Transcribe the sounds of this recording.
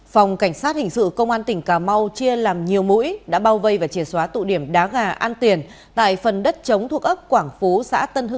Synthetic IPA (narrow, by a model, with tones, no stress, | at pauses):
fa˨˩wŋ͡mka˧˩jŋ̟saː˦˥t̚hï˨˩ŋ̟sɨ̰˧˨kə˧wŋ͡mʔaː˧nt̪ï˨˩ŋ̟kaː˨˩ma˧wt͡ɕi˧əlaː˨˩mɲi˨˩əwmṵ˧˥jɗa̰ː˧˥ɓaː˧wvə˧jvaː˨˩t͡ɕi˧˩ənswaː˨˦t̪ṵ˧˨ɗi˧˩əmɗaː˨˦ɣaː˨˩ʔaː˧nt̪i˨˩ən | t̪a̰ː˧˨jfə˨˩nɗə˦˥t̚t͡ɕə˨˦wŋ͡mt̪ʰu˨˩ək̚ʔə˦˥p̚kwaː˧˩ŋfu˨˦sa̰ː˧˥t̪ə˧nhɨ˧